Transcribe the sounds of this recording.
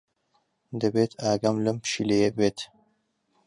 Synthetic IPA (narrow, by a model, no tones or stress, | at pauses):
d̪ɐbeːt̪ʰaːɡɐmlɨmpʃilejebbeːt̪